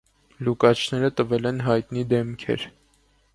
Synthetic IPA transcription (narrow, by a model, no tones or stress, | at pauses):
lukɑt͡ʃʰnɛɾət̪əvɛlɛnɦɑjt̪nid̪ɛmkʰɛ̰ɾ